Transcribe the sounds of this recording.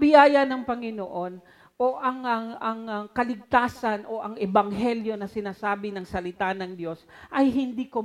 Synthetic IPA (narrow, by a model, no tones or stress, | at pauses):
bɪjaːjɐnɐŋpɐŋɪnoʔo̞n | ʔoʔɐŋɐɐŋkɐlɪɡ̚t̪aːsɐnʔo̞ʔɐŋɛbɐŋɦɛljo̞nɐsɪnaːsaːbɪnɐŋsɐlɪt̪anɐŋd̪jo̞sʔɐjɦɪnd̪iko